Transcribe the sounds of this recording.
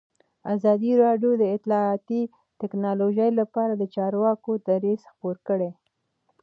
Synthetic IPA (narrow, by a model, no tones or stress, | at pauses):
azɑd̪iɾɑɖjod̪əɪt̪lɑɑt̪i | t̪ɪknɑloʒəjlapɑɾad̪ət͡ʃɑɾwɑkod̪aɾizxpoɾkəɽe